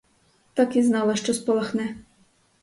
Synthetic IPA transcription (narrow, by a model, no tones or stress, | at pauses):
t̪ɑkiznɑlˠɐʃt͡ʃɔspɔlˠɐxnɛ